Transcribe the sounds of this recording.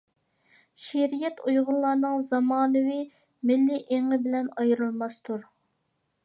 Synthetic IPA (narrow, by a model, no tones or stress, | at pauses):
ʃeɾijɛt̪ʰujʁʊlˠlˠɑɾnɨŋzɑmɑːnɨwi | mɪlːiʔeŋəbɪlɛnɑjɾɨlˠmɑst̪ʰuɾ